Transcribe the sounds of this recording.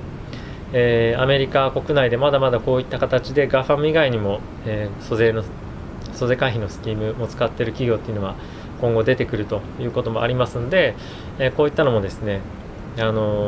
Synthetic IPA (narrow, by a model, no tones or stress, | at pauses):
eːame̞ɾʲikako̞kɯ̟naid̪e̞mad̪amad̪ako̞ːit̪ːakat̪at͡ɕid̪e̞ɡaɸamɯ̟iɡaiɲ̟imo̞ | eːsozeno | so̞ze̞kãçʲinosɨ̥kʲiːmɯ̟o̞t͡sɨ̥kat̪ːe̞ɾɯ̟kʲiɡʲo̞ːt̪ːeiɯ̟no̞βa | kõ̞ŋɡo̞d̪e̞t̪e̞kɯ̟ɾɯ̟t̪o̞jɯ̟ːko̞t̪o̞mo̞aɾʲimasɨno̞d̪e̞ | eːkoːit̪ːano̞mo̞d̪e̞sɨne̞ | ano̞